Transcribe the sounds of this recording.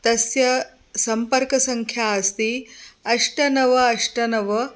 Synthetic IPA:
t̪ɐsjɐ | sɐmpɐɾkɐsɐŋkʰjaɐst̪iɐʂʈɐnɐʋɐɐʂʈɐnɐʋɐ

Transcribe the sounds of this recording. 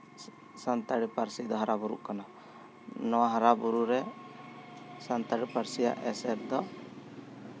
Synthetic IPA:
sant̪aɽipaɾsid̪ɔɦaɾʔabuɾṵʔkana | nɔwaɦaɾabuɾuɾɛ | sant̪aɽipaɾsija̰ʔɛsɛɾd̪ɔ

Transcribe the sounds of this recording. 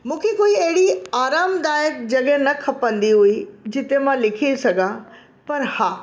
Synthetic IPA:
mũːkʰekoːiɐɦɪɽiaːɾaːmd̪aːjək̚d͡ʑɐɡɛnɐkʰɐpə̃nd̪iɦuid͡ʑɪt̪emãlɪkʰisɐɡʱã | pɐɾhaː

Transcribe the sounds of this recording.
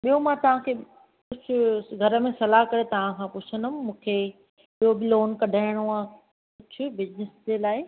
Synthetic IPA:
ɓijomãt̪ɐʋ̤ãkʰeː | kʊt͡ɕʰʊ̆ɡʱɐɾə̆mẽsɐlaɦkɐɾet̪ɐʋ̤ãkʰãːpʊt͡ɕʰənʊmmũːkʰe | ɓijobɪloːnkɐɖʱaːɪɽ̃oaː | kʊt͡ɕʰʊbɪznɪsd͡ʑeːlaːɪ

